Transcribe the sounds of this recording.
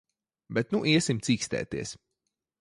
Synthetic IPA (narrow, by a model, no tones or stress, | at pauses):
bɛt̪nuʔiɛsimt̪siːkst̪ɛ̰ːt̪ḭɛs